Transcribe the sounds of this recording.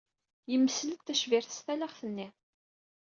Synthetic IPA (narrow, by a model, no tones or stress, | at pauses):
jəmːəslət̪θæʃvɪɾθə̥st̪ælæʁθənːi